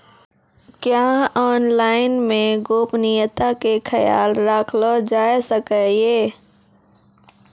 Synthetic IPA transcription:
kjaːɔːnlaːɪnmẽɡoːpnijət̪akekʰəja̰ːlɾaːkʰlod͡ʒaːesəkəjeː

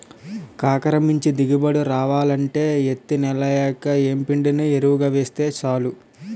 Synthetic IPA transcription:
kaːkɐɾɐmiɲt͡ʃid̪iɡibɐɽuɾaːʋaːlɐɳʈe̞ːet̪ːinɛlɐjaːkɐeːmpiɳɖinieɾuʋuɡaːʋeːst̪e̞ːt͡ʃaːlu

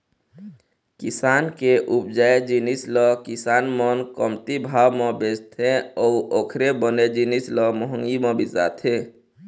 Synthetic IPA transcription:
kisaːnkeʔup̚d͡ʒaed͡ʒinislɔkisaːnmɔnkəmt̪ibʱawmẽbed͡ʒt̪ʰeɔuʔoːkʰɾebəned͡ʒinislɔmɔɦəŋɡimẽbisa̰t̪ʰe

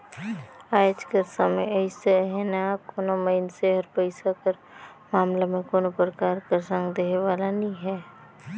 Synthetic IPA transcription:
aːd͡ʒkəɾsəməjəseɦɛnakoːnoməɪnseɦəɾpəɪsakəɾ | maːmlamẽkoːnopɾəkaːɾkəɾsə̃ŋɡd̪eɦeʋaːlanĩɦɛː

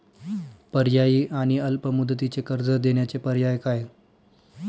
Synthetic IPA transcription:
pəɾjajiːʔaɽ̃iəlpəmud̪ːt̪it͡sekəɾd͡zəd̪eɳjat͡sepəɾjajkaj

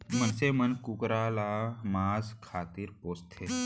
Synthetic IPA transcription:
mənsemənkukɾalamaːzkʰaːt̪iːɾpoːst̪ʰe

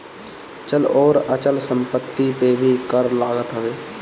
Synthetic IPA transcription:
t͡ʃəlɔːɾət͡ʃəlsə̃mpət̪ːipebʱikəɾlaːɡət̪ɦəʋeː

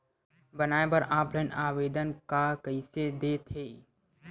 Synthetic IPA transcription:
bənaːebəɾãːplənaːweːd̪ənkakəɪsed̪eːt̪ɦeː

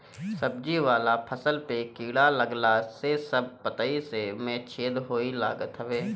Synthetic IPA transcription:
səb̚d͡ʒiʋaːlapʰəsəlpekiːɽaləɡlasesəb̚pət̪aisemẽt͡ʃʰeːd̪ɦoːilaːɡət̪ɦəʋeː

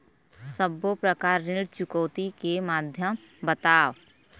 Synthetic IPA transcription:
səbopɾəkaːɾːɪɽt͡ʃʊkəːt̪ikemaːd̪ʱjəm | bət̪aːʋ

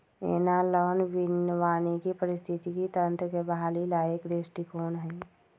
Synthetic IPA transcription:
ḛːnalɔːnʋɪnʋaːnekipəɾɪst̪ʰɪt̪ikit̪ə̃nt̪ɾəkebʱaːlilaːjəkd̪esʈikoːnɦɛ̃

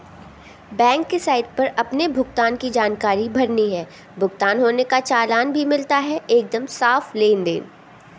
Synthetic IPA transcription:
bɛ̃ːŋkːesaːɪd̪̚pɐɾɐpnebʱʊɡ̚t̪aːnkid͡ʒaːnkaːɾibʱɐɾniɦɛː | bʱʊɡ̚t̪aːnɦoːnekat͡ʃaːlaːnbʱimɪlt̪aɦɛeːk̚d̪əmsaːfleːnd̪ḛːn

